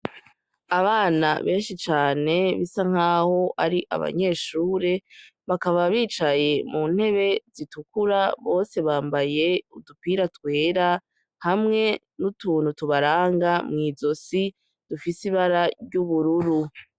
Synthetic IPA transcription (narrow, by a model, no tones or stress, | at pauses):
aβaːna̰βe̞ːnʃit͡ʃaːne̞βisaŋ̥haːho̞ʔaɾiʔa̰βa̰ɲe̞ːʃuːɾe̞βakaβaβiːt͡ʃaje̞muːn̥he̞βe̞zitukuɾaβo̞ːse̞βaːmbaje̞udupiːɾatwe̞ːɾa | hamŋe̞ | nutuːn̥hutuβaɾaːŋɡamŋiːzo̞si | d̥ufisiβaɾaɾɟuβuɾuɾu